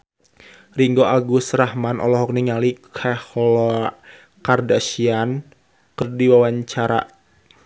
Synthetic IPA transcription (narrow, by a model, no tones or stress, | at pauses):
riŋɡoʔaɡusrahmanʔɔ̰lɔɦɔk̚niŋalikʰahɔlɔ | kardaʃian | kərdiwawaɲt͡ʃaɾa̰